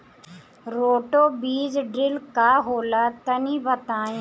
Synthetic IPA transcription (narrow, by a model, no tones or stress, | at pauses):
ɾoːʈoːbiːd͡ʒɖɾɪlkaːɦoːlaːt̪əniːbət̪aːẽː